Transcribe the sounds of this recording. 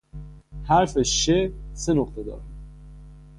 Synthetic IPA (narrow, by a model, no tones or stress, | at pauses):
hæɾfeʃesenoqt̪ʰed̪ɒ̰ːɾæm